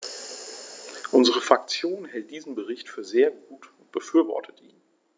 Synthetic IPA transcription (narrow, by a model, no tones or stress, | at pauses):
ʔʊnzəʁəfʁ̥ak̚t͡sjoːnhɛlt̚d̥iːzn̩bəʁɪçtfyːɐzeːɐɡuːtʊntb̥əfyːɐvɔ̰ɐtʰətʔḭːn